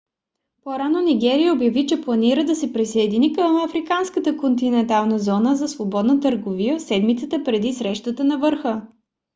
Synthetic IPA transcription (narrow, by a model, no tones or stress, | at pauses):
poɾanoniɡɛɾijəobjɐvit͡ʃɛplˠɐniɾəd̪ɐsɛpɾisəɛd̪inikəmɐfɾikanskət̪əkont̪inɛnt̪alˠnəzɔnəzɐsvobɔd̪nət̪əɾɡovijəsɛd̪mit̪sət̪əpɾɛd̪isɾɛʃt̪ət̪ənɐvəɾxə